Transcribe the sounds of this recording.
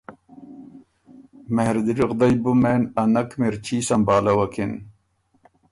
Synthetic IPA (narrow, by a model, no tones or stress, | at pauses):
mehɾd̪iɾiʁd̪ɐjbumeːnɐnɐkmiɾt͡ɕʰiːsɐmbaːlɐwɐkʰin